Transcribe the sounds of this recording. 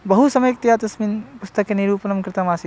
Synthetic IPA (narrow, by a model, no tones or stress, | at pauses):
bɐɦusɐməjk̚t̪ijaːt̪ɐsmiːnpʊst̪ɐkːeniɾuːpɐnɐmkɾɪt̪amaːsi